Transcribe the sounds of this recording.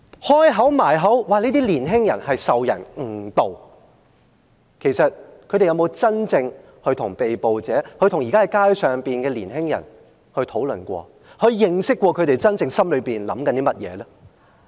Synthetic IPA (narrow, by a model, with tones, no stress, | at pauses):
hɔː˥jɦɐ˨˥wmaː˨˩jɦɐ˨˥wwaː˨˩liː˥t̪iː˥liː˨˩nɦɪ˥ŋjɐ˨˩nhɐ˨jsɐ˨wjɐ̰˨˩nŋ̩˨˩t̪o˨w | kʰe˨˩jsɐ˨t̚kʰɵ˨˧˥ɾe˨jɐ˨˧wmo˨˧wt͡sɐ˥nt͡sɪ˧ŋ | hɵ˧ɥt̪ʰʊ˨˩ŋpe˨jpo˨wt͡sɛː˨˥kʰɵ˧ɥt̪ʰʊ˨˩ŋjiː˨kaː˥ɛ˨˩kaː˥jsœː˨ŋpiː˨nkɛː˧liː˨˩nɦɪ˥ŋjɐ̰˨˩n | hɵ˧t̪ʰo˨˥wlɵ˨nkʷɔ̰ː˧ | hɵ˧ɥjɪ˧ŋsɪ˥kːʷɔː˧kʰɵ˨˧ɥt̪e˨jt͡sɐ˥nt͡sɪ˧ŋsɐ˥mlɵ˨˧ɥpiː˨˩nlɐ̰˨˥mkɐ˨˥nt̪iː˥mɐ˥t̚jɛ̰ː˨˧lɛː˥